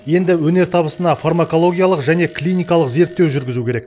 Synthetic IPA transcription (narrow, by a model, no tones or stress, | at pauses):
je̞nd̪ɪwɵne̞ɾt̪ʰɑbəsənɑfarmako̞lˠo̞ɡʲijalˠəqʒæne̞klʲijnijkɑlˠəqze̞ɾt̪ːe̞wʒʏɾɡʲɪzukʲeɾe̞k̚